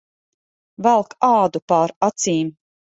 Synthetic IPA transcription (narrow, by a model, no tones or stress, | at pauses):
vælˠkaːd̪upaːɾat̪siːm